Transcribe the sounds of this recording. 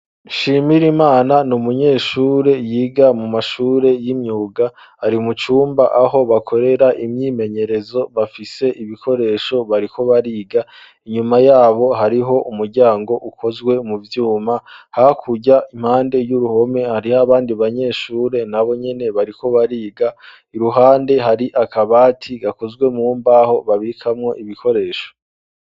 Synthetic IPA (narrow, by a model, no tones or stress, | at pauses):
ʃimiɾimaːnanumuɲe̞ːʃuːɾe̞jiːɡamumaʃuːɾe̞jimɲuːɡa | haɾimut͡ʃuːmbaʔaɦo̞βakʰo̞ɾe̞ɾaʔimɲiːme̞ɲe̞ɾe̞zo̞βafise̞ʔiβikʰo̞ɾe̞ʃo̞βaɾikʰo̞βaɾiːɡa | iɲumajaːβo̞ɦaɾiɦo̞ʔumuɾɟaːŋɡo̞ʔukʰo̞zɡwe̞muvjuːmahakʰuɟaim̥haːnde̞juɾuho̞me̞haɾihaβaːndiβaɲe̞ːʃuːɾe̞naβo̞ɲe̞ne̞βaɾiko̞βaɾiːɡa | iɾuɦaːnde̞ɦaɾiʔakʰaβaːtʰiɡako̞zɡwe̞muːmbaːho̞βaβikʰamŋo̞ʔiβikʰo̞ɾe̞ːʃo̥